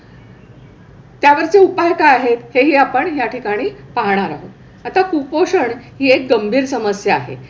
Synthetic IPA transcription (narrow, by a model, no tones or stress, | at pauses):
t̪jaʋəɾt͡seupajkaːɦet̪heɦiːapəɳɦjaʈʰikaɽ̃iːpaɦɳ̃aɾaɦo | at̪akupoʂəɳɦiːek̚ɡəmbʱiːɾsəməsjaa̰ɦḛ